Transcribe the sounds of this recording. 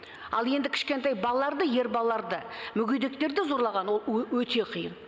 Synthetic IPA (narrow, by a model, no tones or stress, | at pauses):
ɑ̰lˠje̞nd̪ɪkʲʰɪ̥ʃkʲe̞nt̪ɑjbɑlˠɑlˠɑɾd̪əje̞ɾbɑlˠɑlːˠɑɾd̪əmʏɡʲejd̪e̞k̚t̪e̞ɾd̪ɪzo̞ɾlˠɑʁɑnwo̞lˠwɵt̪e̞qʰijə̰n